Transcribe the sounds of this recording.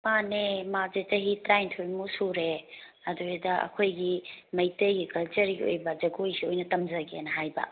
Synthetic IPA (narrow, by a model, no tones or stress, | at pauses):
panemazet͡ʃɐɦitɾajntʰojmusuɾe | ɐduedɐɐ̰kʰojɡimɐjtɐɡikɐlt͡ʃɐɾɡio̰jbɐd͡ʒɐɡojsiojnɐtɐmd͡ʒɐɡḛnɐɦajbɐ̰